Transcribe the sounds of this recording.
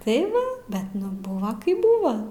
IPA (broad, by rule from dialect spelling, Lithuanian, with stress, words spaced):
tɐɪ ˈʋɐ ˈbʲɛt nʊ ˈbʊʋɐ ˈkɐɪp ˈbʊʋɐ